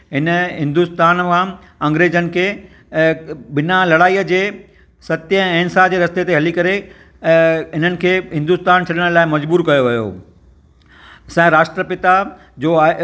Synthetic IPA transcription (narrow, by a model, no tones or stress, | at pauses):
ɦɪnəɦɪ̃nd̪ust̪aːnkã | ɐ̃ŋɡɾeːzənɪ̆kʰeː | bɪnalɐɽaːiːəd͡ʑeː | sɐt̪jə̃eːnsad͡ʑeːɾɐst̪et̪eɦɐlikɐɾe | ɪn̤ənɪ̆kʰeːɦɪ̃nd̪ust̪aːnt͡ɕʰɐɗəɽ̃laːɪmɐd͡ʑbuːɾkɐjoʋɐjo̰ː | sɛ̃ɾaːʃʈɾəpɪt̪a | d͡ʑoːa